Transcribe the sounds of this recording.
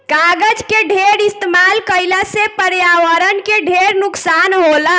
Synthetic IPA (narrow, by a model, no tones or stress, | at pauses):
kaɡəd͡ʒkeɖʱeɾist̪emalkəɪlasepəɾjaʋəɾənkeɖʱeɾnuksanɦolə